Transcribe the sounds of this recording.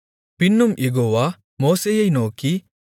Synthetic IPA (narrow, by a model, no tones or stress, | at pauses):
pinːumʔeɡoːʋa | moːsejɐjnoːki